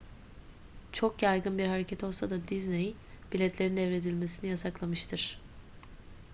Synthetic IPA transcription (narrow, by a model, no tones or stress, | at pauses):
t͡ʃʰo̞kjajɡɯnbiɾhaɾe̞cʰɛt̪ʰo̞lˠsad̪ad̪iznej | b̥ilʲɛt̪lʲe̞ɾind̪ɛvɾe̞d̪ilʲme̞sinijasaklˠamɯʃt̪ʰɯɾ̥